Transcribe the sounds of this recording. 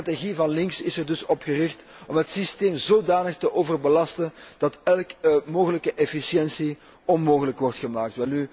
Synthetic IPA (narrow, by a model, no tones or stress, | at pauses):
ateɣivɑnlɪŋksɪsərdɵsɔpxərɪxt | ɔmɦətsisteːmzoːdaːnəxtəʔoːvərbəlɑstənd̥ɑtɛlˠkmoːɣələkəʔɛfisjɛnsi | ɔnmoːɣələkʋɔrtxəmaːk̚tʋɛlˠny